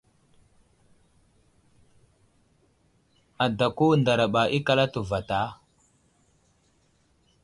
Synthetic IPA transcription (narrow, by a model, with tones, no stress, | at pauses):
a˨da˨ku˦nda˨ɾa˨ɓa˨ʔi˦ka˦la˦tu˨va˨ta˨˦